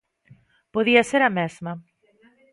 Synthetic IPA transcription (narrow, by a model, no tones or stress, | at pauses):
poðiɐseɾɐmezmɐ